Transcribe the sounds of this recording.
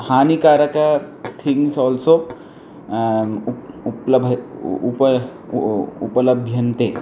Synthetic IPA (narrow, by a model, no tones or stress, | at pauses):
haːnikaːɾɐkat̪ʰiŋɡsɔlso | uplbʱup | ṵpɐlɐbʱjɐnt̪e